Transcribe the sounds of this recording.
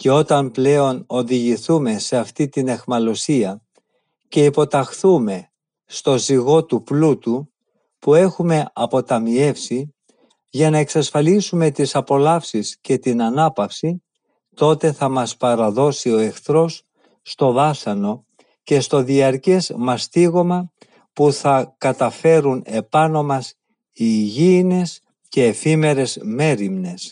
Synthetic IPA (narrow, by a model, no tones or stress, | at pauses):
ce̞o̞t̪ɐmple̞o̞no̞ðiʝiθume̞se̞ɐft̪it̪ine̞xmɐlo̞siɐ | ce̞ipo̞t̪ɐxθume̞ | st̪o̞ziɣo̞t̪uplut̪u | pue̞xume̞ɐpo̞t̪ɐmie̞fsi | ʝɐnɐe̞ksɐsfɐlisume̞t̪isɐpo̞lɐfsisce̞t̪inɐnɐpɐfsi | t̪o̞t̪e̞θɐmɐspɐɾɐðo̞sio̞e̞xθɾo̞sː | t̪o̞vɐsɐno̞ | ce̞st̪o̞ðiɐɾce̞zmɐst̪iɣo̞mɐ | puθɐkɐt̪ɐfe̞ɾune̞pɐno̞mɐs | iʝiːne̞s | ce̞ːfime̞ɾe̞zme̞ɾimne̞s